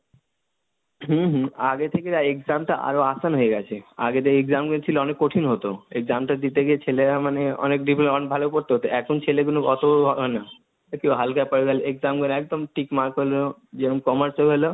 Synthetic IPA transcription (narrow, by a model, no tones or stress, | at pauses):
ɦɦaɡet̪ʰekeɾaekzamʈaʔa̰ɾoasanɦoeɡɛt͡ɕʰea̰ɡet̪ʰekeeɡd͡ʑamɡont͡ɕʰiloɔnekːoʈʰinɦot̪oeɡ̚d͡ʑamʈad̪it̪ekit͡ɕʰeleɾamaneɔ̰nekɖiplɔnbʱalopoɾt̪eɦot̪eʔɛkʰont͡ɕʰeleɡunokɔt̪oɦɔɦɔena | kiɦalkajpɔɾeɡaleɡzamɡɔnɛk̚d̪omʈikmaɾkɦolod͡ʑenomkɔməɾsalɦolo